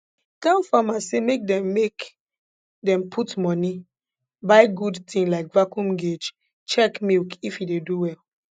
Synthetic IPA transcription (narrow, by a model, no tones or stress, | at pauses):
tãmfamasemek̚dɛ̃mːek | dɛ̃mpʰutmɔni | baɪɡudtʰĩŋlaɪk̚vakũmɡed͡ʒ | t͡ʃɛkmilkifideduwɛl